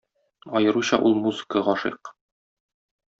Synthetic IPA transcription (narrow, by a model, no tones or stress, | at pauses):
ɒjɤ̆ɾuɕɑʔulˠmuzɨ̥kəʁɒʃḭq